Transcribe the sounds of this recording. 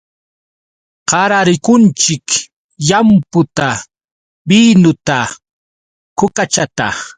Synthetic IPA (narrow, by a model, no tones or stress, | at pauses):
qɑɾaɾɪkʊnt͡ʃɪk | jampʊt̪a | binʊt̪a | kʊkat͡ʃat̪a̰